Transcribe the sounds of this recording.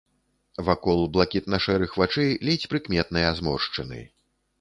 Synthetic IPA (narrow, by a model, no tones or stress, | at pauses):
vakɔlˠblˠakʲit̪nɐʂɛɾɨxvat͡ʂɛjlʲit͡sʲpɾɨkmʲɛt̪̚nɨjazmɔ̰rʂt͡ʂɐnɨ̰